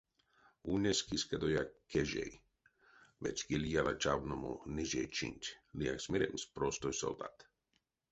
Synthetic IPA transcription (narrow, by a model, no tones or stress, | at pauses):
unʲɛskiskad̪ojakɛʒɛ̰j | vɛ̰t͡ʃʲɡilijalat͡ʃavnomo̰niʒɛjt͡ʃḭnʲtʲlijaksmʲɛɾɛmspɾost̪ojso̰ld̪a̰t̪